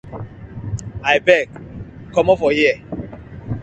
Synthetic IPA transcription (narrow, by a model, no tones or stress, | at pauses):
ajbɛk | kɔmɔfɔjɛ